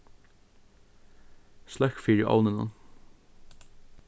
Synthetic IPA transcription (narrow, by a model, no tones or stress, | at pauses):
slɛkfiːɾʔɑ̰wnɪna̰